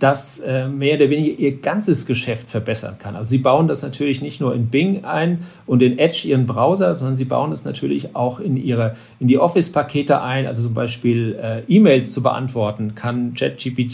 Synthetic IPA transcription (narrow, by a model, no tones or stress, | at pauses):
d̥asʔɛːmeːɐoːdɐveːnɪɡɐʔiːɐɡ̥ant͡səsɡ̥əʃɛftfɛɐbɛsɐ̰nkʰanʔa̰lzoziːbaʊəndasnatʰyːɐlɪçnɪçtnuːɐɪnbɪŋʔa̰ɪn | ʔʊntdɪnʔɛt͡ʃʔiːʁənbʁaʊzɐzɔndɐnziːba̰ʊəndasnatʰyːɐlɪça̰ʊxɪnʔiːʁə | ʔɪndiːʔɔfɪspʰakʰeːtə̰ʔa̰ɪnʔa̰lzot͡sʊmba̰ɪʃpiːlʔɛːʔiːmeɪlst͡subə̰ʔa̰ntv̥ɔɐtn̩kʰant͡ʃɛ̰t̚ʒ̥iːpiːtː